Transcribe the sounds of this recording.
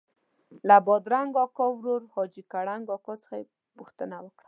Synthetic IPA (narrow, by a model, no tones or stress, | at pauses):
labɔd̪ɾaŋɡɔkɔwɾoɾhɔd͡ʒikaɽaŋɡɔkɔt͡sə̥xaje | puxt̪ənawəkɽḁ